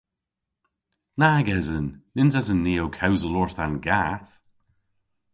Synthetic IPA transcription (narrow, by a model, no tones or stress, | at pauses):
naɡɛzənːɪnzazənːiːowkʰawzəlɔɹθanɡaθ